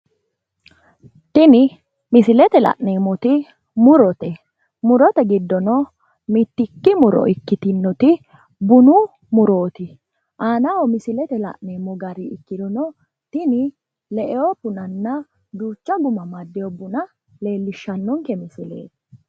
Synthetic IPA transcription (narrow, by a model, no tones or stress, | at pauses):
t̪ɪnɪ | mɪsɪlɛt̪ɛlɐ̰ʔneːmɔt̪ɪ | mʊɾɔt̪ɛ | mʊɾɔt̪ɛɡɪd̪ːɔnɔ | mɪt̪ːɪkːɪmʊɾɔ̰ʔɪkːɪt̪ɪnːɔt̪ɪ | bʊnu | mʊɾo̞ːt̪ɪ | ʔaːnɐwɔmɪsɪlɛt̪ɛlɐ̰ʔneːmɔɡɐɾiɪkːɪd̪ɔnɔ | t̪ɪnɪ | lɛʔɛɔpʊnɐnːɐ | d̪uːt͡ʃːɐɡʊmɐmɐd̪ːɛjɔbʊnɐ | le̞ːlːɪʃːɐnːɔŋkɛmɪsɪlḛːt̪ɛ̥